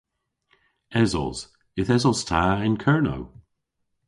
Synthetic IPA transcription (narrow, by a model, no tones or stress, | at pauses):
ɛzɔ̰z̥ | ɪθɛzɔz̥tʰaɪnkʰɜɹno̰w